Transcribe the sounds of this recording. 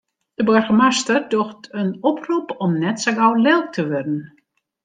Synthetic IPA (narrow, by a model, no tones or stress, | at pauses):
d̥əbørɣəmastərdoxtʰənɔpʰrupɔmnɛtsaɡawlɪlˠk̚tʰəʋødən̩